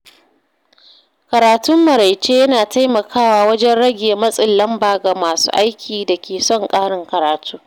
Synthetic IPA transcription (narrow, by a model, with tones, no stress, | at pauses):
kɐ˨ɾaː˨tʊ˦mːɐ˨ɾa˨jt͡ʃeː˦jɐ˦naː˨ta˦jmɐ˨kʰaː˦waː˨wɐ˦d͡ʒɛ˦nɽɐ˦ɡʲeː˨mɐ˦sʼɪ˨lːɐ˦mbaː˨ɡa˨maː˨sṵː˦ʔa˦jkʲʰiː˨da˨kʲeː˨sɔ˦˨ŋkʼaː˦ɽɪ˦ŋkɐ˨ɾaː˨tʰuː˦